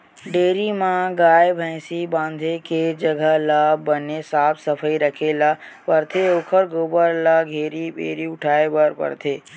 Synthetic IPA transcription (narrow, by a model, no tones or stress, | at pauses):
ɖeːɾimãɡaːjbʱə̃ɪ̃sibãːnd̪ʱeked͡ʒəɡʱəlabənesaːpʰsəpʰəiɾəkʰelapəɾt̪ʰeoːkʰəɾɡoːbəɾlaɡʱeːɾipḛːɾiʊʈʰaːebəɾpə̰ɾt̪ʰeː